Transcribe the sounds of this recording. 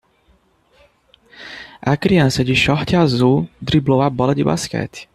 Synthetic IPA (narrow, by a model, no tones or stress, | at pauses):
ʔakɾiansɛɟiʃɔht̪ʲazud̪ɾiblɔwabɔlɛd̪iba̰skɛ̰t̪